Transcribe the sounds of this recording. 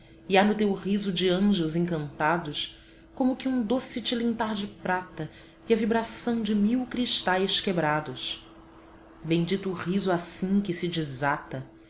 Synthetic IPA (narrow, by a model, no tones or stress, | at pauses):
ianʊt̪ewʁizʊd͡ʒɪɐ̃ʒʊzẽŋkɐ̃nt̪ad̪ʊs | kõmʊkɪũd̪osɪt͡ʃɪlĩnt̪aɾd͡ʒɪpɾat̪ɐ | iɐvibɾasɐ̃w̃d͡ʒɪmiwkɾiʃt̪ajskebɾad̪ʊs | bẽj̃d͡ʒit̪ːʁizuasĩkɪsɪd͡ʒɪzat̪ɐ